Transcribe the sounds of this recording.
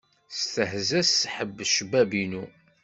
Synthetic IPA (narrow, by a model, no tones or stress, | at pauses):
st̪əhzæsħəbːʃəbæbinu